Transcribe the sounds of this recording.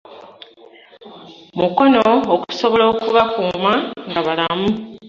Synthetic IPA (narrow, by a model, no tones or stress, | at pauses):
muko̞noːku̥so̞βo̞lo̞ːkuβakuːmaŋɡaβalamu